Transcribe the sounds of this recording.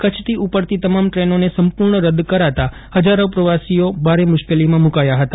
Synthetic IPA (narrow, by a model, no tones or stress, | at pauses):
kət͡ʃʰt̪ʰiʔupəɾt̪it̪əmamʈɾenonesəmpʊɾɳəɾəd̪kəɾat̪a | həd͡ʒaɾopɾəʋasijobʱaɾemʊʃkelimãmukajaɦət̪ḁ